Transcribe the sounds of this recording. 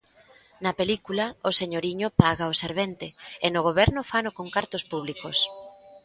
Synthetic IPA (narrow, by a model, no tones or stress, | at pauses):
nɐpelikulɐoseɲoɾiɲʊpaɣaoseɾβent̪eenʊɣ̞oβɛɾnʊfanokoŋkaɾt̪ʊspuβ̞likos